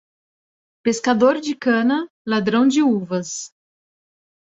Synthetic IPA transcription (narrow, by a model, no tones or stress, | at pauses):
peskad̪oɾd͡ʒɪkɐ̃nɐ | lad̪ɾɐ̃w̃d͡ʒɪuvɐs